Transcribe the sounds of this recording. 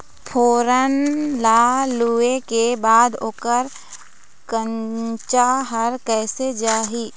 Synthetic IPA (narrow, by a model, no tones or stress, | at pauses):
pʰoːɾənlaːluekebaːd̪oːkəɾ | kə̃ɲt͡ʃaɦəɾkɛːsed͡ʒaːɦiː